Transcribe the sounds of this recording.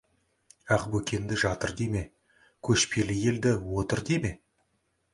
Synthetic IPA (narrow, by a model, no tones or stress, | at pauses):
æqbɵkʲe̞nd̪ɪʒɑt̪əɾd̪e̞me̞ | kʲʰɵʃpʰe̞lɪje̞ld̪ɪwo̞t̪əɾd̪e̞me̞